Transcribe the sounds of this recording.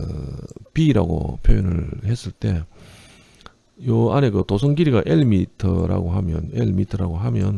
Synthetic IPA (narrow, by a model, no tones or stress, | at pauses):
ɯ̰piːɾa̰ɡo̰pʰjojʌnɯɭhe̞s͈ɯɭt͈e̞ | joane̞kɯtosʰʌŋɡiɾiɡaʔeɭmitʰʌ̰ɾa̰ɡoɦamjʌ̰neɭmitʰʌɾaɡoɦamjʌn